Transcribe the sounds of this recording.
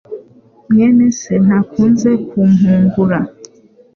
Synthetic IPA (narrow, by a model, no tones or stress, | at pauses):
mjɛnɛsɛnakunzɛkʰum̩ɦuŋɡuɾa